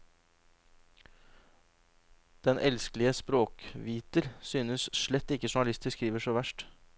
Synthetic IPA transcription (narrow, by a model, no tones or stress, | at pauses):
d̪̥ɛnʔɛlsklɪəspɾoːkʋiːt̪əɾsyːnəsʃɭɛt̪ːɪkːəʂʊɳɑlɪst̪əskɾiːʋəʂoːʋæʂʈ